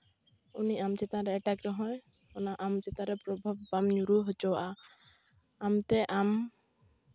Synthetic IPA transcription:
ṵniʔamt͡ʃɛt̪ãɾɛɛʈakɾɔɦɔ̃j | ɔnaʔamt͡ʃɛt̪ãɾɛpɾɔbʱab̚bamɲuɾuɦɔt͡ʃɔwaʔa | amt̪ɛʔam

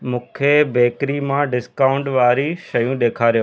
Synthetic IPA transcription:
mũːkʰebeːkɾimãɖɪskaːʊ̃ɳʈʋaːɾiʃɐjũɗ̪eːkʰaːɾijoː

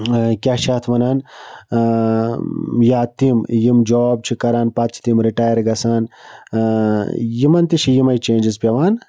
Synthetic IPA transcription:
kʲaːʃaːt̪ʰmɐnaːn | jaːt̪imjimd͡ʒoːb̚t͡ʃʰikɐɾaːnpɐt̪̚t͡ʃʰi̥t̪imɾiʈaːjɾɡɐsaːn | jimɐnt̪it͡ʃʰijimɐjt͡ʃẽːnd͡ʒizpʲjɐʋaːn

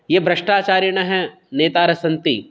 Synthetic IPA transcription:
jeːbɾɐʂʈaːt͡ʃaːɾjɐɳ̃ɐɦɛ | neːt̪aːɾɐsɐ̃nt̪ḭ

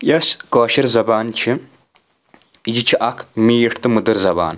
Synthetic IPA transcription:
jɐskoːʃiɾzɐbaːnt͡ʃʰi | jit͡ʃʰiʔɐkʰmiːjʈʰt̪ɨmud̪ɨɾzɐba̰ːn

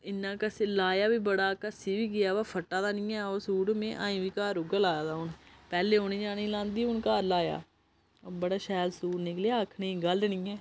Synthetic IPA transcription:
ɪnːãːkəseːlaːjaːʋiːbəɽaːkəsiːʋiːɡɪjaːʋaːpʰəʈːaːd̪aːnĩːɛːoːsuːɽmẽːʔã̰ːĩːʋiːkaːɾʊɡaːlaːjaːd̪aːʊnpɛːleːoːnĩːd͡ʒaːnĩːlãːnd̪iːʊnkaːɾlaːja̰ː | bəɽaːʃɛːlsuːɾnɪkleaːəkʰnĩːɡəld̪nĩːɛː

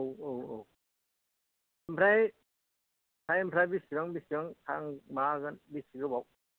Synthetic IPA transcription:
owowow | impʰɾaj | sʰajimpʰɾajbisiɡaŋbisiɡaŋtʰa̰ŋmaɡanbisiɡɯbaw

